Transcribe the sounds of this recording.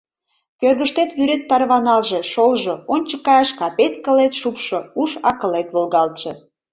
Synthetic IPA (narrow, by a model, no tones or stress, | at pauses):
kørɣəʃt̪et̪βyɾet̪ːɑrβɑnɑlʒeʃolʒoonʲt͡ɕə̥kːɑjɑʃkɑpet̪̚kə̆let̪ʃupʃouʃɑkəlet̪βolɣɑlt̪ʃɤ